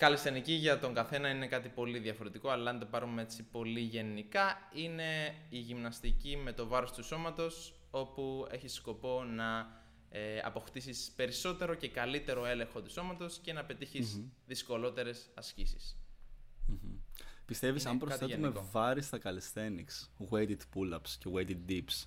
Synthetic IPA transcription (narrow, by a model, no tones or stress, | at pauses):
kɐlist̪eniciʝɐt̪o̞ŋɡɐθe̞nɐine̞kɐt̪ipo̞liðjɐfo̞ɾe̞t̪iko̞ɐlɐɐnt̪o̞pɐɾumeet͡sipo̞liʝe̞nikɐine̞iʝimnɐst̪icime̞t̪o̞vɐɾo̞st̪uso̞mɐt̪o̞s | o̞pue̞çisko̞po̞nɐ | ɐ̰po̞xt̪isispe̞ɾiso̞t̪e̞ɾo̞ce̞kɐlit̪e̞ɾo̞e̞le̞ŋxo̞t̪u̥so̞mɐt̪o̞sce̞nɐpe̞t̪içiszðisko̞lo̞t̪e̞ɾe̞sɐscisis | m̩pist̪e̞visɐmpɾokstθe̞umevɐɾist̪ɐkɐlesθe̞niksɣwejt̪it̪pulɐpscewejt̪it̪̚d̪ips